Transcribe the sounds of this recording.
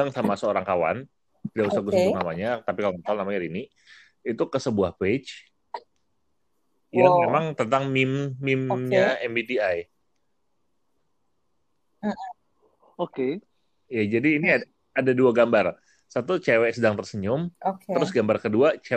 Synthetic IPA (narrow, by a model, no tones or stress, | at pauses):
aŋsamasəoɾaŋkawa̰n | t̪idaʔusahɡusunamaɲat̪apikaloməsalnamaɲaɾini | it̪ukəsəbuahpet͡ʃ | jaŋmemaŋt̪ənt̪aŋmɪmːɪmɲaɛmbit̪iaj | oke | ijad͡ʒadiːnia | adaduaɡambar | sat̪ut͡ʃewɛsədaŋt̪ərsəɲʊmokt̪əɾʊsɡambarkəduat͡ʃe